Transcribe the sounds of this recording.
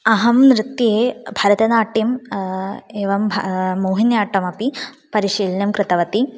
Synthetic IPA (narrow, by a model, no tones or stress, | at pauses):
ɐɦɐmnɾɨt̪jeːbʱɐɾɐd̪ɐnaːʈːim | eːʋɐmbʱmoːɦinjaːʈːɐmɐpi | pɐɾiʂiːlɐnɐmkɾɨt̪ɐʋɐt̪i